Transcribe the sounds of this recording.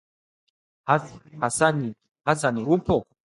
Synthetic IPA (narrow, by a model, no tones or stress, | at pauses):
hahasani | hasaniupɔ